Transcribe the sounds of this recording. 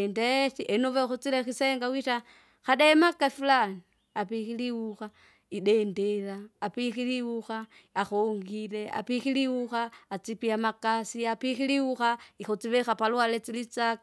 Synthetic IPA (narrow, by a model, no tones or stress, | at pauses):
ndetiʔenovexot͡silexiseŋɡawita | xaɗemakːafilani | apixiliwuxa | iɗendelaːpixiliwuxa | axoːŋɡilea̰pixiliwuxaːt͡sipiamakasiapixiliwuxaixot͡siβexapalwalet͡silit͡sak